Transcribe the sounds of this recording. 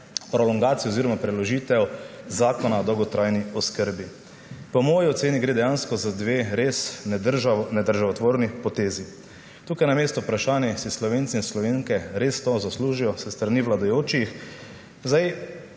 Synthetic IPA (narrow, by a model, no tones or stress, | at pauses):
pɾɔlɔŋɡaːt̪sijɛɔziːɾɔmapɾɛlɔʒiːt̪ɛwzaːkɔnaɔd̪ɔwɡɔt̪ɾʔajniɔskəɾbi | pɔmoːjiɔt̪seːniɡɾeːd̪ɛjaːnskɔzad̪ʋeːɾes | nɛd̪əɾʒaʋat̪ʋoːɾnipɔt̪eːzi | t̪uːkajnameːst̪ɔpɾaʃaːnjɛsislɔʋeːnt̪siinslɔʋeːŋkɛɾest̪ozasluːʒijɔsɛst̪ɾaniʋlad̪ajoːt͡ʃix | zaj